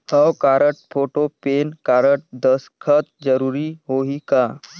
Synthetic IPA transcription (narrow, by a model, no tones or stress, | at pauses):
həwkaːɾəʈ̚pʰoːʈopeːnkaːɾəʈ̚d̪əskʰət̪̚d͡ʒəɾuːɾiɦoːikaː